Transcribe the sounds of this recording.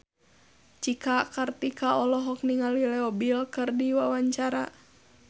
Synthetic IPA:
t͡ʃikakart̪ikaʔɔlɔɦɔk̚niŋalilɛɔbilkɨrdiwawaɲt͡ʃaɾa̰

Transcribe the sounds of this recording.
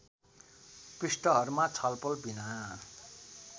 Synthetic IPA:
prisʈʌɦʌɾumat͡sʰʌlpʌlbʱina

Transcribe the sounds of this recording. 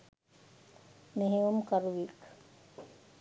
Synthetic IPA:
meɦeʋumkaɾuʋik

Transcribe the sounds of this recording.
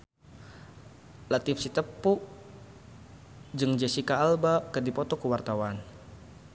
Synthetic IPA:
lat̪ifsit̪əpːuʔ | d͡ʒɨŋd͡ʒɛsikaːlbakədipɔt̪ɔkəwart̪awan

